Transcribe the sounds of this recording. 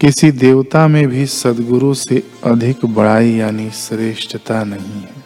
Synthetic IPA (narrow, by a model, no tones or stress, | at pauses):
kɪsid̪eːʋt̪amẽbʱisɐd̪ɡʊɾuse | ɐd̪ʱɪkbɐɽ̤aːijaːnisɾeːʃʈʰət̪anɐɦĩɦɛ